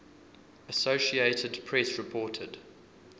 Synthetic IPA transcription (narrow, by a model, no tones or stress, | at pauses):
əsoʊʃieɪtədpʰɹ̥ɛsɹɪpʰɔːtʰəd̥